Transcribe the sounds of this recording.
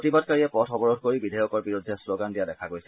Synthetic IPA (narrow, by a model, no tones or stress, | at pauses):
tibad̚kaɹiɛpɔtxɔbɔɹɔdʱkoɹibidʱajɔkɔɹbiɹudʱːɛsloɡandijadɛkʰaɡojsɛ